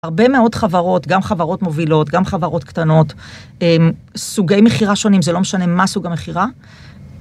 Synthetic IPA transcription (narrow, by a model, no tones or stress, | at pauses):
aʁbe̞me̞o̞tχavaʁo̞tɡamχavaʁo̞tmo̞vilo̞tɡamχavaʁo̞tktano̞t | emsuɡejmeχiʁaʃo̞nimzelo̞meʃane̞masuɡameχiʁa